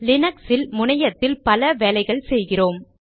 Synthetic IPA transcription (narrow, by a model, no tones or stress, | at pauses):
lɪnɐksɪlmʊɳɐjɐt̪ːɪlpɐlɐʋeːlɐɪɣɐɭsɛjɣɪroːm